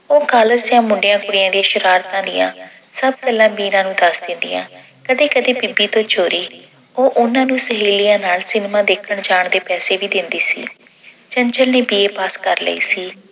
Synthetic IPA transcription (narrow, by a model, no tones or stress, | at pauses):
oːɡaːləsjãːmʊɳɖɪjãːkʊɽɪjãːd̪iãːʃəɾaːɾt̪ãːd̪ɪjã̰ː | səb̚kɛlãːbiːɾãːnũːd̪əsd̪ɪnd̪ḭjã̰ː | kəd̪eːkəd̪eːpɪbiːt̪õːt͡ʃoːɾiː | oːʔʊnãːnũːsəɦiːlijãːnaːlsɪnmãːd̪eːkʰəɳd͡ʒaːɳd̪eːpɛːseːʋiːd̪ɪnd̪iːsḭː | t͡ʃəɲt͡ʃəlneːbiːeːpaːskəɾlə̰ḭːsiː